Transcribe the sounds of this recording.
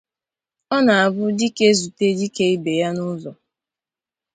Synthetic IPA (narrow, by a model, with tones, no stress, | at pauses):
ɔ˦na˨a˨bʊ˦di˦ke˦zu˨te˦di˦ke˦i˦be˨ja˦nʊ˦zɔ˨